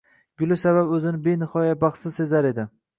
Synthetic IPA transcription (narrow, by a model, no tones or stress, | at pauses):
ɡʲʊlˠɪsababɵzɪnɪbenɪhɒjabɑχt̪sɪzse̞zaɾe̞d̪ɪ